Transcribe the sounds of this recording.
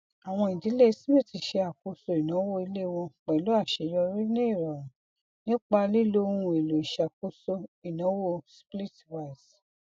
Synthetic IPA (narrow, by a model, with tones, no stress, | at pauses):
a˨w̃ɔ̃˧ĩ˨di˨˦le˦˧si˦me˦˨ti˧˦ʃe˧a˨ko˧so˧˨i˨nã˨˦wo˦i˧le˦˨˧wɔ̃˧k͡pɛ̃˨lo˨˦a˦˨ʃe˨jɔ˧ɾi˦nĩ˦i˦˨ɾa˨ɾã˨ | nĩ˦k͡pa˧li˦˨lo˦ũ˦ũ˧˦e˨lo˨i˨ʃa˨ko˧so˧i˨nã˨˦wo˦spli˦˨twa˨˧i˨s